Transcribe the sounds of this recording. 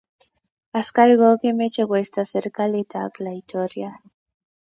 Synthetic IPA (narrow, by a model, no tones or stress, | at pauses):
askaliɣokemet͡ʃeɣwest̪aseɾkalet̪a̰klait̪oɾja